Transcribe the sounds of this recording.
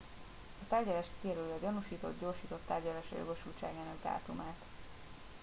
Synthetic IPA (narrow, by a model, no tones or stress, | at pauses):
ɒt̪aːrɟɒlaːʃkiɛɾøljɒɟonuʃiːt̪o̞̰d̪ɟoːrʃiːt̪o̞t̪ːaːrɟɒlaːʃɒ̰jo̰ɡo̞ʃult͡ʃa̰ːɡaːnɒɡd̪a̰ːt̪umaːt̪